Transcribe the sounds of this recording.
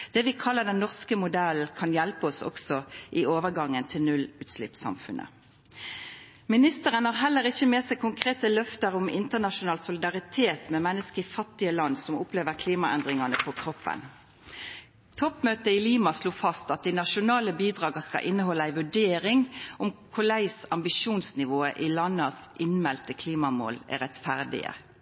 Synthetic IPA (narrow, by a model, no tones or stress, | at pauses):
d̪̥ɛːʋɪkʰɑlːəd̪ɛnːɔʁskəmʊd̪ɛl̩kʰɑnjælpəɔsɔ̰ksɔʔɪoːʋəʁɡɑŋːənt̪ʰɪlnʉlʉːt̪slɪ̰psɑ̰mfʉ̰nʔə̰ | mɪnɪst̪əʁənhɑːʁɦɛlːəʁɪçːəmeːsæɪkʰʊŋkʰʁeːt̪əlœft̪əʁʊmɪ̰nt̪ənɑʃʊnɑːlsʊlɪd̪ɑʁɪt̪ʰeːt̪mɛmɛnːəskəɪfɑt̪ːɪəlɑnsɔmʊpleːʋəʁkʰliːmɑɛ̰nd̪ʁɪŋɑnəpʰɔkʰʁɔpːə̰n | t̪ʰɔpmøːt̪əɪliːmɑsloːfɑst̪ɑt̪̚d̪iɪnɑʃʊnɑːləbiːd̪ʁɑːɡəskɑ̰ʔɪnːəhɔlːəæɪʋʉɖeːɾɪŋʊmkʰʊlæɪsɑmbɪʂuːnsnɪʋoːəʔɪlɑnːəsʔɪnmɛlt̪əkʰliːmɑmo̰ːlæ̰ɾʁɛt̪fæʁd̪ɪ̰ə̰